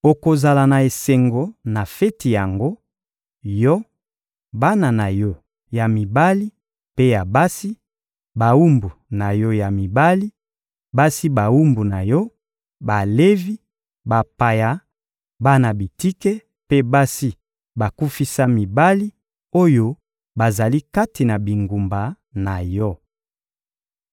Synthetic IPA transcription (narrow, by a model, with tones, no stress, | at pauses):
o˨ko˨za˨la˨na˨e˨se˨ŋɡo˨na˨fɛ˦ti˨ja˨ŋɡo˦ | jɔ˦ | ba˦na˨na˨jɔ˦ | ja˨mi˨ba˦li˦ | pe˦ja˨ba˦si˦ | ba˨wu˦mbu˨na˨jɔ˦ja˨mi˨ba˦li˦ | ba˦si˦ba˨wu˦mbu˨na˨jɔ˦ | ba˨le˦vi˦ | ba˨pa˨ja˨ | ba˦na˨bi˨ti˦kɛ˦ | pe˦ba˦si˦ | ba˨ku˦fi˦sa˦mi˨ba˦li˦ | o˦jo˦ | ba˨za˨li˦ka˦ti˨na˨bi˨ŋɡu˨mba˨ | na˨jɔ˦